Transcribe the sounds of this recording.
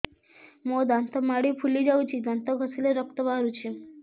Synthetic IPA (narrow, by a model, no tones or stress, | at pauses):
mod̪ant̪əmaɽipʰulid͡ʑaut͡ɕid̪ant̪əɡʱəsileɾək̚t̪əbaɦɾut͡ɕi